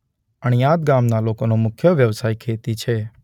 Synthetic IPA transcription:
əɳ̃jaːd̪ɡamnalokonomʊkʰjəʋjəʋsaːikʰeːt̪it͡ʃʰe

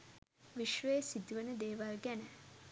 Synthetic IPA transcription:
ʋiʃʋəjesid̪uʋənəd̪eːʋalɡɛnə

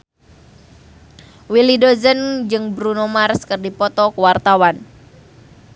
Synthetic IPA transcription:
wilidozənd͡ʒɨŋbɾunomarskərdipɔt̪ɔkəwart̪awan

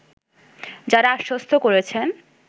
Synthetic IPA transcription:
d͡ʑaɾaaʃːost̪ʰokoɾet͡ɕʰen

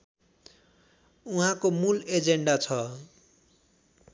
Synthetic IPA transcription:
uɦãkomuled͡zeɳɖat͡sʰʌ

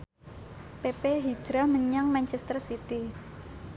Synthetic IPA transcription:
pepeɦi̥d͡ʒ̥ɾahməɲaŋmant͡ʃɛst̪ərsit̪i

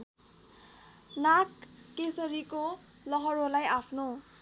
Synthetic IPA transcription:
nakːesʌɾiko | lʌɦʌɾolajapʰno

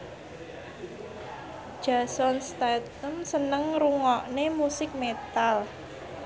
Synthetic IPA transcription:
ʒ̥a̤sɔnst̪at̪əmsənəŋɾuŋɔʔnemusɪk̚met̪al

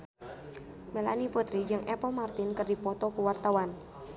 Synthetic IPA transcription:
mela̰niput̪ɾid͡ʒɨŋʔɛpɔmart̪ɪnkərdipɔt̪ɔkuwart̪awan

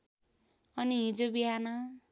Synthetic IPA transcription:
ʌniɦĩd͡zobiɦanʌ

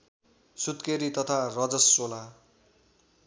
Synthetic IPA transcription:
sut̪keɾit̪ʌt̪ʰarʌd͡zʌsːola

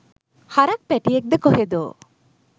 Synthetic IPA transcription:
haɾak̚pæʈijek̚d̪ekoɦed̪o

